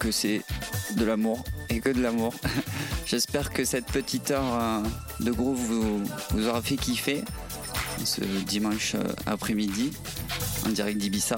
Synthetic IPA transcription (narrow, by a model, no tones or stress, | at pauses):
kəsɛd̪əlamuʁekəd̪əlamuʁʒ̥ɛspɛʁkəsɛt̪pət̪ʰit̪œʁ | d̪əɡʁupvuvuzɔʁafɛkʲifɛ | ɑ̰̃sə̰d̪imɑ̃ʃa̰pχɛmid̪i | ɑ̰̃d̪iʁɛk̪̚d̪ibisa